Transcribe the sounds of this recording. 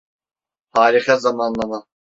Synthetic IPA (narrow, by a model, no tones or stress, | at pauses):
haːɾixazamanlˠama